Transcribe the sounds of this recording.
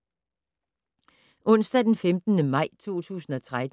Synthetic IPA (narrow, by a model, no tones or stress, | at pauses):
ʔɔ̽n̰sd̥æd̥enfemd̥ənəmɑ̈ɪ̰t͡sʰo̝̰ːt͡sʰṵːsn̩ɒ̽t͡sʰʁad